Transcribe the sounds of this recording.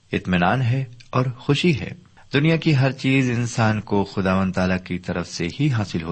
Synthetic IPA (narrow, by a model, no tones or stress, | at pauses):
ɪt̪mɪnaːnɦɛɔːɾxʊʃiɦɛ̰ː | d̪ʊnijakiɦɐɾt͡ʃiːzɪ̃nsaːnkoxʊd̪aːʋə̃nd̪t̪aːlakit̪ɐɾəfseɦiɦaːsɪlɦo̰ː